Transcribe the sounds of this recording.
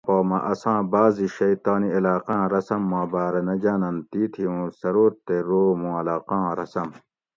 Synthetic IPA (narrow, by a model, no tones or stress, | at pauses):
poːmɐʔɐsãːbaːziɕɐjt̪aːniɐlaːqãːɾɐsɐmːãːbaːɾɐnɐd͡ʑaːnɐnt̪iːt̪ʰiũːsɐɾoːɾt̪eɾoːmũːɐlaːqãːɾɐsɐm